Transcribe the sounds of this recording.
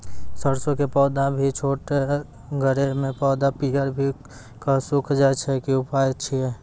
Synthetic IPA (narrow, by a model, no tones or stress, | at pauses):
səɾsõkepɔːd̪ãbʱit͡ʃʰoːʈe | ɡʱəɾemẽpɔːd̪apiɦəɾbʱi | kasʊkʰd͡ʒat͡ʃʰɛkiʊpaːjt͡ʃʰiɛ